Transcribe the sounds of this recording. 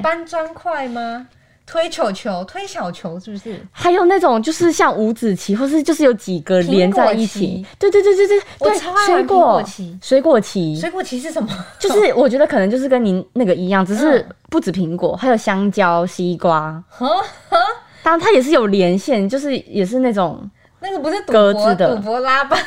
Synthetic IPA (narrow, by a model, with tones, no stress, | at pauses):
pa˥˦nt͡swa˥nkʰwa˥˩ɪma˩ | t̪ʰwe˥ɪt͡ɕʰjo˨˩ʊt͡ɕʰjo˧˦ʊt̪ʰwe˥ɪɕjɑ˨˩ʊt͡ɕʰjo˧˥ʊʂ̩˥˩bu˨ʂ̩˥˩xa˨˧˦ɪjo˨˩ʊna˥˩ʈ͡ʂo˨˩ŋt͡ɕjo˥˧ʊʂɻ̩˥˧ɕjɑ˥˩ŋu˧˥t͡sɹ̩˨˩t͡ɕʰi˧˥xwɔ˥˧˩ʂ̬ɻ̩˥˧t͡ɕjo˥˧ʊʂɻ̩˥˩jo˧˥ʊt͡ɕi˨˩ɡə˦ljɛ˨˦nt͡sa˥˧ɪi˥˩t͡ɕʰḭ˨˩t̪we˥˧t̪t̪twt̪e˥˩t̪we˥˩˧swe˧˥ɪkwɔ˥˩˧t͡ɕʰi˦swe˧˥ɪkwɔ˥˩t͡ɕʰi˧˥swe˧˥ɪkwɔ˥˩t͡ɕʰi˧ʂɻ̩˥˩ʂə˨˩nmɐ˧˩jo˥˧ʊʂɻ̩˥˩wɔ˨˩t͡ɕɥɛ˧˥d̪ə˧kʰɤ˨˩nə˧˦t͡ɕo˥˧ʊʂ̬ɻ̩˥˩kə˥ni˧˥˦na˥˩ɡə˩i˧˥jɑ˥˩ŋʈ͡ʂ̩˨˩ʂ̬ɻ̩˥˧pu˥˩t͡sɹ̩˨˩pʰi˧˥ŋkwɔ̰˨˩xa˧˥ɪjo˨˩ʊɕjɑ˥ŋt͡ɕjɑ˦ʊɕi˦kwa˦ | t̪t̪ʰa˥jɛ˨˩ʂ̬ɻ̩˥˩jo˨˩ʊljɛ˧˦nɕjɛ˥˧nt͡ɕjo˥˧ʊʂ̬ɻ̩˥˩jɛ˨˩ʂ̬ɻ̩˥˧na˥˩ʈ͡ʂo˨˩ŋ | na˥˩ɡə˨pu˧ʂ̩˥˧t̪kə˦t͡s̩˥d̪ə˨u˨˩pwɔ˧˦la˥pa˨˧